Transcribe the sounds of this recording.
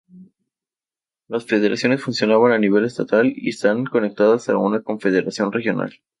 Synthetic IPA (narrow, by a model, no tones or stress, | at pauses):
lasfe̞ð̞e̞ɾa̰sjo̞ne̞sfunsjo̞naβananiβ̞e̞le̞st̪at̪alḭest̪aŋko̞ne̞k̚t̪aðasaunako̞ɱfe̞ð̞e̞ɾasjo̞nre̞xjona̰l